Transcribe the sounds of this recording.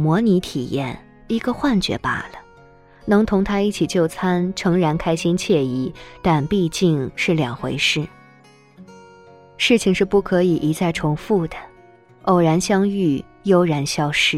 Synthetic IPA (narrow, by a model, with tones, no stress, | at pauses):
mwɔ˧˥ni˧˥t̪ʰḭ˨˩jɛ̰˥˩n | i˧˥ɡə˧xwa˥˩nt͡ɕɥɛ̰˧˥pa̰˨˥˩lə˦ | nɤ˧˥ŋt̪ʰʊ˧˥ŋt̪ʰa˥i˥˩t͡ɕʰi˨˩t͡ɕjo˥˩ʊt͡sʰa˥nʈ͡ʂʰɤ˧˥ŋɻa˧˥nkʰa˥ɪɕi˥nt͡ɕʰjɛ˥˧i˧˥˩t̪a˥˧npi˥˧t͡ɕi˥˧ŋʂɻ̩˥˩ljɑ˨˩ŋxwe˧˥ɪʂɻ̩˥˩ | ʂɻ̩˥˩t͡ɕʰi˨˩ŋʂɻ̩˥˧pu˥˩kʰɤ˧˥i˨˩ʔi˧˥t͡sʰa˥˩ɪʈ͡ʂʰʊ˧˥ŋfu˥˩d̪ə˩ | o˥˩ʊɻa˧˥nɕjɑ˥ŋy˥˩ | jo˥ʊɻa˧˥nɕjɑ˥ʊʂɻ̩˥